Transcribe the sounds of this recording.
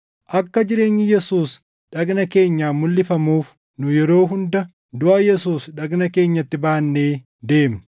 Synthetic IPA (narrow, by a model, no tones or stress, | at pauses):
ʔɐkːɐd͡ʒɪɾe̞ːɲːɪjɛsuːs | ᶑɐɡnɐke̞ːɲːaːmʊlːɪfɐmuːf | nʊjɛɾo̞ːɦʊnd̪ɐ | d̪ʊʔɐjɛs̬uːsᶑɐɡnɐke̞ːɲːɐt̪ːɪbaːnːe̞ː | d̪e̞ːm